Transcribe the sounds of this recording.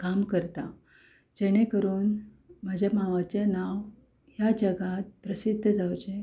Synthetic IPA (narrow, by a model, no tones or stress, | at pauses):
kamkəɾt̪a | d͡ʑɛɽ̃ekəɾuːn | m̤ad͡ʑʱamaʋat͡ɕanaʋ | jad͡ʑəɡat̪̚pɾəsid̪ʱːəd͡zawt͡ɕe